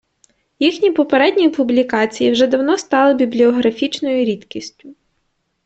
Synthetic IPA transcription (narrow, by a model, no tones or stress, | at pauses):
jixnʲipɔpeɾɛdʲnʲipʊblʲikɑt͡sʲijiwʒɛd̪ɐwnɔst̪ɑlˠɪbʲiblʲiɔɦɾɐfʲit͡ʃnɔjʊɾʲit̪kʲisʲtʲʊ